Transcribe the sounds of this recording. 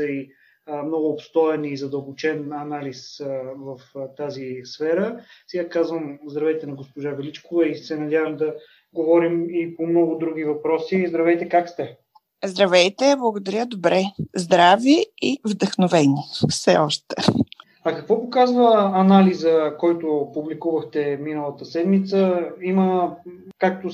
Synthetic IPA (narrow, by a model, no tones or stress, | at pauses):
səi | mnɔɡʊːpst̪ɔɛniːzɐd̪əlˠbot͡ʃɛnɐnalisvɐft̪azisfɛɾəsɛɡakazvəmzd̪ɾɐvɛjt̪ɛnɐɡospoʒavɛlit͡ʃkovɛisɛnɐdʲjavəmd̪ɐ | ɡovɔɾimipomnɔɡʊd̪ɾuɡ̟ʲivɐpɾɔsizd̪ɾɐvɛjt̪ɛkakst̪ɛ | zd̪ɾɐvɛjt̪ɛblˠɐɡod̪ɐɾʲjəd̪obɾɛzd̪ɾaviivd̪əxnovɛnifsɛ̰ɔʃt̪ɛ̰ | ɐkɐkvɔpokazvəːnalizəkɔjt̪opublikuvəxt̪ɛminəlˠət̪əsɛd̪mit̪səimə | kak̚t̪o